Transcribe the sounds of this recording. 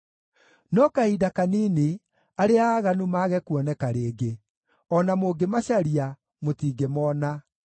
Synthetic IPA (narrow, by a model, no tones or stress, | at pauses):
nɔkaidakaniːne | aɾeaːɣanumaɣɛkwɔnɛkaɾeːɡe | ɔnamoːɡemaɕaɾia | motiːɡemɔna